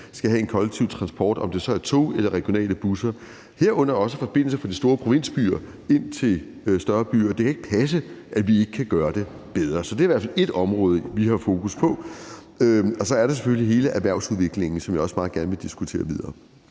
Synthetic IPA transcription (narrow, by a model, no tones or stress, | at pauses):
sɡ̥æɦæe̝nkʰɒ̽leɡ̥̚t͡sʰiʊ̰t͡sʰʁɑ̈nsb̥ʰɒ̰ːd̥ɒ̽md̥e̝sɒ̽æɐt͡sʰo̝̰ːelɐʁɛɡ̥jo̝nɛ̰ːləb̥usɐ | he̝ɐ̰ɔ̽n̰ɐɒ̽səfɒ̽b̥e̝n̰l̩sɐfʁɑ̈d̥isd̥o̝ːɐpʰʁo̝ʋe̝n̰sb̥y̰ːɐ | e̝n̰t͡sʰe̝l | øsd̥ɶɐb̥y̰ːɐd̥e̝kʰæe̝ɡ̥ə̥pʰæs̬əʔæʋie̝ɡ̥əkʰæɡ̥ɶːɐd̥e̝ | b̥eð̞ˠʁɐsɒ̽d̥e̝æɐiʋæɐfæle̝d̥ɒ̽mʁɔ̽ːð̞ˠəʋihɑ̈fo̝ːkʰuspʰɒ̽ | øɒ̽sɒ̽æɐɾ̥ɑ̈s̬e̥føliɦe̝ːləʔæʋæɐ̰suðˠʋe̝ɡ̥le̝ŋn̩sɒ̽mjɑɒ̽smɑ̈ːð̩ˠɡ̥æɐnəʋe̝d̥isɡ̥ut͡sʰe̝̰ːɐʋið̞ˠɐː